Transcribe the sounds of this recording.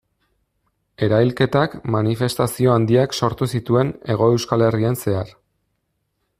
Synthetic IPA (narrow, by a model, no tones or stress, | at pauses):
e̞ɾajlke̞t̪akmanife̞st̪asio̞and̪iakso̞ɾt̪usit̪ue̞ne̞ɣ̞o̞e̞wskale̞rie̞nse̞ar